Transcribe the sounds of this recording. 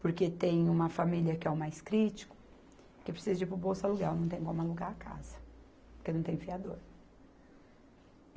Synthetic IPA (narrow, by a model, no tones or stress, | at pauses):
poɾket̪ẽj̃ũmɐfamiliɐkɪɛʊmajskɾit͡ʃi̥kʊ̥ | kɪpɾesizɐd͡ʒɪpɾʊbowsɐluɡaɾnɐ̃w̃t̪ẽj̃kõmʊaluɡaɾakʰa̰zɐ | poɾkenɐ̃w̃t̪ẽj̃fiad̪oɾ